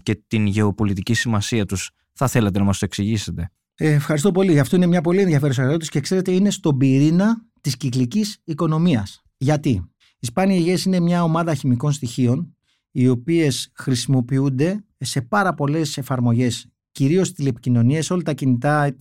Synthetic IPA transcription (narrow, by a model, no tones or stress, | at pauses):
ce̞t̪inʝe̞opo̞lit̪icisimɐsiɐt̪us | θɐθe̞let̪enɐmɐst̪oe̞ksiʝise̞t̪e̞ | eːfxɐɾist̪o̞po̞liɐft̪o̞ine̞mɲɐpo̞lie̞nðjɐfe̞ɾos̬eɐlot̪uscekse̞ɾe̞t̪e̞ine̞st̪o̞biɾinɐ | t̪isciklicisiko̞no̞miɐs | ʝɐt̪i | ispɐniɐiʝesine̞mɲɐo̞mɐðɐçimiko̞nst̪içio̞n | io̞pie̞sxɾisimo̞piund̪e̞ | se̞pɐɾɐpo̞le̞se̞fɐɾmo̞ʝe̞s | ciɾio̞st̪ilepi̥cino̞nieso̞lɐt̪ɐcinit̪ɐ